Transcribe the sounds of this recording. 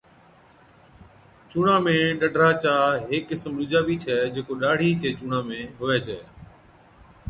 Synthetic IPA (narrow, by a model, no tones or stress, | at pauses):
t͡ʃuːɳãːmẽːɗəɖʱɾaːt͡ʃaːɦeːkːɪsmɾʊd͡ʒaːbiːt͡ʃʰɛːd͡ʒeːkoːɗaːɽ̤ʱiːt͡ʃʰeːt͡ʃuːɳãːmẽːɦʊʋɛːt͡ʃʰɛː